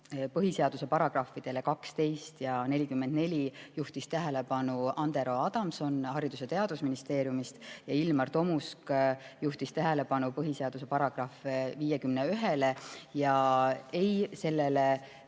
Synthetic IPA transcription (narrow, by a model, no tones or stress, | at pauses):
pɤɦise̞ɑd̪use̞pɑɾɑɡ̥rɑfid̪̥e̞le̞kɑkst̪e̞jst̪jɑne̞lʲikymːend̪ne̞lʲijuht̪ist̪æɦe̞lepɑnuʔɑnd̪̥e̞ɾo̞ɑd̪̥ɑmso̞nhɑɾid̪̥use̞t̪e̞ɑd̪̥usminist̪e̞ːɾjumist̪jɑilmɑrt̪o̞muskjuht̪ist̪æɦe̞le̞pɑnupɤɦise̞ɑd̪̥use̞pɑɾɑɡ̥rɑfviːjekymneyɦelejɑejse̞lːe̞le